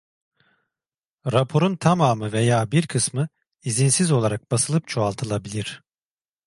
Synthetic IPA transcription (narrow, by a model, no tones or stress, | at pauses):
ɾapʰo̞ɾunt̪ʰamaːmɯvejaːbiɾkʰɯsmɯ | izinsizo̞lˠaɾak̚b̥asɯlˠɯp̚t͡ʃʰoalˠt̪ʰɯlˠabilʲiɾ̥